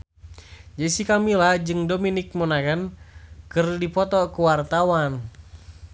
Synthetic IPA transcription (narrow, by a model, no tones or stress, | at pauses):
d͡ʒaisikamilad͡ʒɨŋdominik̚mɔnaɡankɨrdipɔt̪ɔkuwart̪awan